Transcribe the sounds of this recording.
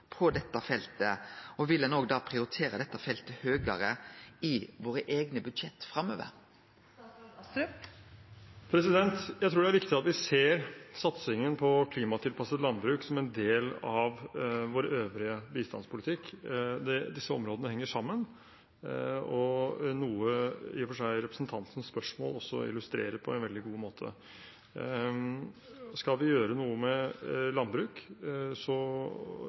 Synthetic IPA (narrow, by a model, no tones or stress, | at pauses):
pʰɔd̪ɛt̪ːɑfɛlt̪əɔʋɪlːənoːɡd̪ɑːpʰɾɪʊɾɪt̪ʰeːɾəd̪ɛt̪ːɑfɛlt̪əhøːɡəɾəɪʋoːɾəʔeːɡnəbʉd̪ʃɛt̪ːfɾɑmːø̰ːʋə̰ɾ | pʰɾɛsɪd̪ɛnt̪jæɪt̪ʰɾuːɖɛæɾʋɪkt̪ɪt̪ɑt̪ʋɪseːɾsɑt̪sɪŋənpʰɔkʰliːmɑt̪ʰɪlpʰɑsət̪lɑnbɾʉːksɔmɛnd̪eːlɑʋʋoːɾøːʋɾɪəbiːst̪ɑ̰nspʰʊlɪt̪ʰɪkːd̪ɛd̪ɪsːəɔmɾoːd̪ənəhɛŋːəʂɑmːən | ɔnuːəɪfɔʂæɪɾɛpɾəsnt̪ʰɑnt̪ən̩spœʂmo̰ːlɔsːɔ̰ɪ̰lʉst̪ɾḛːɾəpʰɔɛ̰nʋɛld̪ɪɡuːmoːt̪ʰə̰ | skɑlʋɪjøːɾənuːəmɛlɑnbɾʉːksɔ